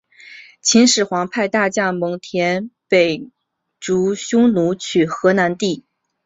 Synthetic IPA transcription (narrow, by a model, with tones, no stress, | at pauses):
t͡ɕʰi˧˥nʂɻ̩˨˩xwɑ˧˥ŋpʰa˥˧ɪt̪a˥˧t͡ɕja˥˩mɤ˧˥ŋt̪ʰjɛ˧˥npe˨˩ɪ | ʈ͡ʂu˧˥ɕʊ˥ŋnu˧˥t͡ɕʰy˨˩xɤ˧˥na˧˥nt̪i˥˩